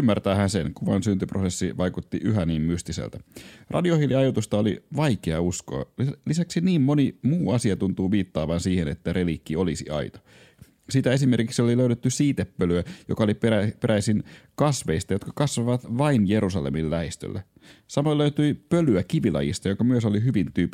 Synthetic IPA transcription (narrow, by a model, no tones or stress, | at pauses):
ymːært̪æːhænsenkuʋɑ̰nsynt̪yprosesːiʋɑjkut̪ːiʔyɦæniːmmyst̪isḛlt̪ærʔɑ̰diohiliɑjot̪ust̪ɑolḭʋɑjkeɑusko̞̰lisæksiniːmmo̞nimuːɑsiɑt̪unt̪uːʋiːt̪ːɑːʋɑnsiːhenet̪ːæɾe̞likːio̞lisiɑ̰it̪o̥ | sit̪æe̞sime̞rkiksioliløyɾet̪ːysiːt̪epːølyæjokɑolipæpeɾʔæisinkɑsʋeist̪ɑjo̞t̪kɑ̥kɑsʋɑʋɑt̪ʋɑinjeɾusɑlḛmillæhist̪ø̰lːḛ | sɑmoløyt̪yipølyækiʋilɑ̰jḭst̪ɑjokɑmyøso̞liɦyʋint̪yːpːˑ